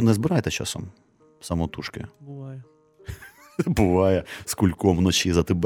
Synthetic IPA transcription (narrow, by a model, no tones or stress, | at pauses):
nɛzbɪɾɑjt̪ɛt͡ʃɑ̰sɔ̰m | sɐmɔt̪uʃkɪ̰bʊʋjɛ | bʊʋɑjɛskulʲkɔmnɔt͡ʃizɐt̪ɪb